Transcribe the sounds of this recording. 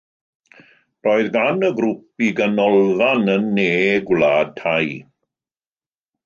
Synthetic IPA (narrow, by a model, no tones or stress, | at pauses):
roːɨðɡanəɡɾupiɡənɔlˠðanənːeːɡwlaːd̚tʰaj